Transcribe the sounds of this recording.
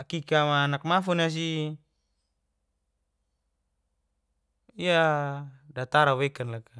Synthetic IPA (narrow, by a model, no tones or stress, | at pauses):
kikamaːnak̚mafunas̬i | ia | dat̪aɾawekanlaka